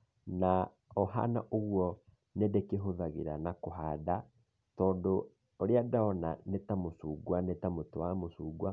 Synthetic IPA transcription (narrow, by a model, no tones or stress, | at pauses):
na | ɔɦa̰na̰ʔoɣwɔ | nedɛkeɦoðaɣeɾanakoɦaːda | tɔːndo | oɾeadaɔnanetamosuːɡwanetamotowamosuːɡwa